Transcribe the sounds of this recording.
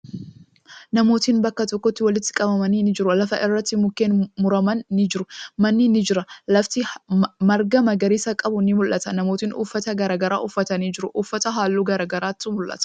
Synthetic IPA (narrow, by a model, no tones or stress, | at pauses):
nɐmo̞ːt̪iːnbɐkːɐt̪ɔkːɔt̪ːɪwɐlɪt̪ːɪ̥kʼɐbɐmɐniːnɪd͡ʒɪɾʊlɐfɐʔɪrːɐt̪ːɪmʊkːeːnmʊɾɐmɐnːɪd͡ʒɪɾʊmɐnːɪnɪd͡ʒɪɾɐlɐft̪ɪmɐɾɡɐmɐɡɐɾiːsɐkʼɐbʊnɪmʊlʔːɐt̪ɐnɐmoːt̪iːnʔṵːfːɐt̪ɐɡɐɾaːɡɐɾa̰ːʔʊfːɐt̪ɐniːd͡ʒɪɾʊʔʊfːɐt̪ɐɦaːlːuːɡɐɾaːɡɐɾaːt̪ːʊmʊlʔːɐ̰t̪ɐ̥